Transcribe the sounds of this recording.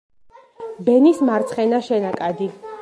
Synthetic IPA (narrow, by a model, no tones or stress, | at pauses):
bɛnismaɾt̪sʰχɛnaʃɛnakʼad̪i